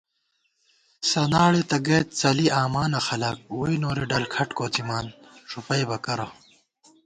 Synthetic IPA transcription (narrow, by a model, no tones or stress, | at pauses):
sɐnaːɭet̪ɐɡet̪̚t͡sɐliʔaːmaːnɐxɐlɐk̚wuinoːɾeɖɐlkʰɐʈkoːt͡simaːnʂupɐjbɐkɐɾɐ